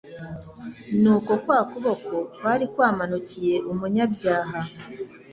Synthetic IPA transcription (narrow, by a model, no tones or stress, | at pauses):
nuːko̞kwaːkuβo̞ko̞kwaɾikwaːmanucije̞ʔomuɲaβjaːɦa